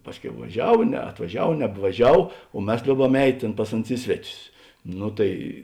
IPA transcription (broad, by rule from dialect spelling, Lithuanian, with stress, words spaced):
ˈpɑːsʲˌkʲɛʊ ʋɐˈʒʲɛw nʲɛɐtʋɐˈʒʲɛw nʲɛbʋɐˈʒʲɛw oː ˈmʲɛs ˈlʲoːʊˌbɐm ɛɪtʲ ˈtʲeːn ˈpɐs ɐˌnʊs ˈɪ sʲʋʲɛˌtʲʊs ˈnʊ tɐɪ